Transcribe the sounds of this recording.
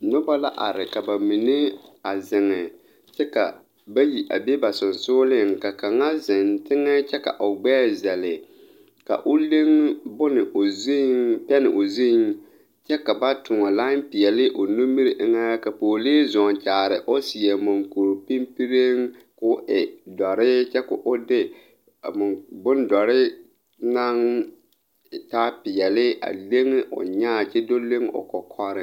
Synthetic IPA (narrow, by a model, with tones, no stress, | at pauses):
nʊ˦ba˦la˦ʔa̰˨ɾɪ˨ka˨ba˨mi˨ne˦a˨zɪ˨ŋɪ˨ | t͡ʃɛ˦ka˨ | ba˦ji˨ʔa̰˨be˦ba˨sʊ˨nsʊ˦lɪ˦ŋ˨ka˨ka˨ŋa˦zɪ˨ntɪ˦ŋɛ˦t͡ʃɛ˦ka̰˨ʔʊ˨ɡ͡bɛː˦zɛ˨lɪ˨ | ka̰˨ʔʊ˦le˦ŋbʊ˦nɪ˨ʔo˨zpɛ˦nɪ˨ʔo˨zi˦ɪ˦ŋ | t͡ʃɛ˦ka˨ba˦tʰʊ˨ŋɔ˨la˦pɪ˨jɛ˨lɪ˦ʔʊ˨nu˦mi˦ɾɪ˨ʔɪ˦ŋa˦ja˦ka˨poː˨leː˦zɔ˨n˨t͡ʃaː˨ɾɪ˨ʔʊ˦sɪ˨ɛ˨mʊ˨ŋku˨ɾpi˦mpi˦ɾe˦ŋ | kʊ˦ʔɪ˨dɔ˨ɾɪ˦t͡ʃɛ˦kʊ̰˨ʔʊ˦dɪ˦˨ | mʊ˨bʊ˦n˦dɔ˨ɾɪ˦ | na˦ŋ˨ | taː˦pɪ˨jɛ˨lɪ˦a̰˨le˦ŋɪ˦ʔʊ̰˨ɲaː˦˨t͡ʃɛ˦do˦le˦ŋ˦ʊ̰˨kɔ˨kʰɔ˦ɾɪ˦